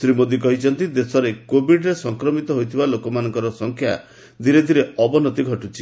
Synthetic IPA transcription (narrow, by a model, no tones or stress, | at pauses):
sɾimod̪ikɔɦit͡ʃʰɔnt̪id̪esɔɾekobʱiɖɾesɔŋkɾɔmit̪ɔɦojt̪ʰibalokɔmanɔŋkɔɾɔsɔŋkʰja̰ | d̪ʱiɾed̪ʱiɾeɔbɔnɔt̪iɡʱɔʈut͡ʃʰi̥